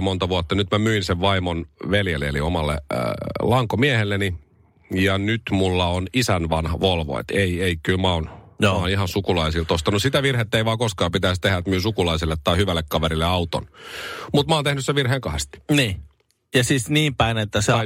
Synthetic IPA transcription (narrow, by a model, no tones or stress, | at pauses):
mont̪ɑʋuɑt̪ːɑnyt̪mæmyinseʋʋɑimonʋeljelːeelḭomɑlːḛlɑŋkomiæhelːeni | jɑnyt̪mulːɑonisænʋɑnhɑʋolʋo̰ḛt̪eieikylmæonjoːɑːnihɑnsukulɑisilt̪ost̪ɑnussit̪æʋirhet̪ːeiʋɑːkoskɑːpit̪æist̪ehæt̪myːsukulɑisilːet̪ːɑihyʋælːekkɑʋeɾilːeɑut̪o̰nmut̪mɑoːnt̪ehnyseʋʋirheːŋkɑhest̪i̥niː | jɑsisniːmpæinet̪ːæseɑ